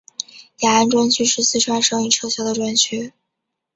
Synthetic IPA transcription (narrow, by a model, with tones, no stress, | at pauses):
ja˨˩a˥nʈ͡ʂwʊ˥ŋt͡ɕʰy˥ʂɻ̩˥˧sɹ̩˥˩ʈ͡ʂʰwa˥nʂɤ˥ŋi˨˩t͡ɕʰjo˧˥ʊɕjɑ˥ʊd̪ə˨˩ʈ͡ʂwa˥nt͡ɕʰy˥